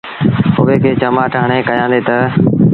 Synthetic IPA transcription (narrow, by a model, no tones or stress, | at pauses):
ʊʋekʰeːt͡ɕɐmaːʈʰaːɽ̃ekɐjãːnd̪et̪ɐ